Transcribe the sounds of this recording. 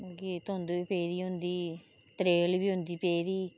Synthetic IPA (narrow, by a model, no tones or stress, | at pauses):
akit̪oːnd̪oːiːpeːd̪iːɦʊ̃nd̪iː | t̪ɾeːlbiːɦʊ̃nd̪iːpeːd̪iː